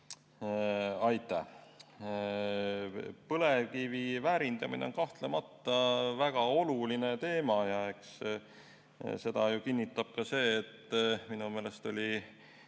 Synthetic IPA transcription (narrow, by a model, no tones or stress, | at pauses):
ɑjt̪ːˑæh | pɤlekivivæːɾind̪ɑmḭneo̞nkɑht̪le̞mɑt̪ˑːɑvæɡ̥ɑo̞luline̞t̪e̞ːmɑjɑe̞ks | se̞d̪̥ɑjukinːit̪ˑːɑb̥̚kɑse̞ːt̪ːminume̞ːle̞st̪o̞lʲi